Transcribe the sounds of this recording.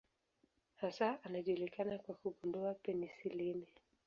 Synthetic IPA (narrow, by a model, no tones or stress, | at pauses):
hasaːnaʄulikanakwakuɠundɔapɛnisilimɛ